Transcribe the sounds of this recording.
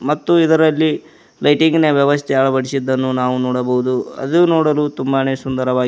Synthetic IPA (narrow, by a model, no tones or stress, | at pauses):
mɐt̪ːuid̪ɐɾɐlːi | lɐjʈiŋɡneʋjɐʋɐst̪ʰɛɐɭɐbɐɽisid̪ːɐnːunaːʋunɔːɽɐbɐɦud̪uɐ̰d̪unoːɽɐlut̪umbaneːsund̪ɐɾɐʋaː